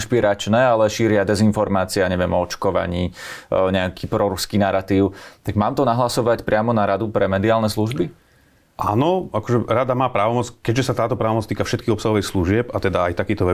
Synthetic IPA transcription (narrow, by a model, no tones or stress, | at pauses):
ʃpiɾat͡ʃnɛalɛʃiːɾɪad̪ɛzinfɔɾmaːt͡siaɲɛʋɪɛmɔɔt͡ʃkɔʋa̰ɲiːɲɛakʰiːpɾɔɾuskiːnaɾat̪iːʊt̪aɡmaːmt̪ɔnaɦlasɔʋacpɾɪamɔnaɾad̪upɾɛmɛd̪iaːlnɛsluʒbi | ʔa̰ːnɔakɔʒɛɾad̪amaːpɾaːʋɔmɔt͡skɛɟʒɛsat̪aːt̪ɔpɾaːʋɔmɔt͡st̪iːkafʃɛt̪̚kiːɦɔpsaɦɔʋɛjsluʒɪɛpat̪ɛd̪aajt̪akiːt̪ɔʋɛ